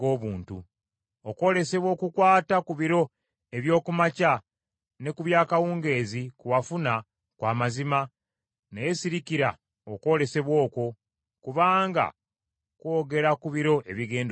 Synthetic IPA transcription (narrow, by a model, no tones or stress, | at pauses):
oːβuːntu | oko̞ːle̞se̞βwo̞ːkukwaːtakuβiɾo̞ | e̞βjo̞ːkumaca | ne̞kuβjaːkawuːŋɡe̞ːzikuβafuna | kwaːmazima | nejesiɾiciɾa | oko̞ːle̞se̞βwo̞ːko̞ | kuβaːŋɡa̰ | kwo̞ːɡe̞ɾakuβiɾo̞ʔe̞βiɡe̞ːnd